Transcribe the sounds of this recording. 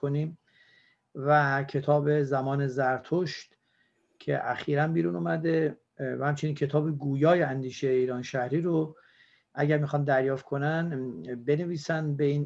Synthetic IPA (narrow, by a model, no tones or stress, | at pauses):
oniːm | væcʰe̞t̪ʰɒːbe̞zæmɒːne̞zæɾt̪ʰoʃt̪ | cʰe̞̰ʔæxiːɾænbiːɾuːnuːmæd̪e̞ | æhæmt͡ʃʰe̞niːncʰe̞t̪ʰɒːbe̞ɡuːjɒːjeænd̪iːʃejiːɾɒːnʃæhɾiːɾo | ʔæɟæɾmiːxɒːnd̪æɾjɒːft̪̚kʰo̞nænbe̞neviːsænbeiːn